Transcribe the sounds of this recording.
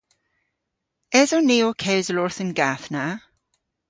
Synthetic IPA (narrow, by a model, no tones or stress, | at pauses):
ɛzɔniːokʰɛwzəlɔɹθənɡaθna